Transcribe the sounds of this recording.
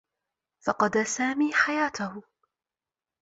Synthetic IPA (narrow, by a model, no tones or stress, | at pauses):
fɑqɑd̪aːsaːmiːħajaːt̪ahʊ